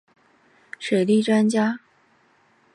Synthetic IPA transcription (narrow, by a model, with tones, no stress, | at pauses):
ʂwe˨˩ɪli˥˩ʈ͡ʂwa˥nt͡ɕja˥